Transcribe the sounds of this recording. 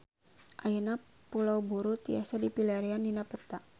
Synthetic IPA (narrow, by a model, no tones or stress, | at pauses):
ʔajəna | pulawbuɾut̪ia̰sadipilaɾiandinapət̪a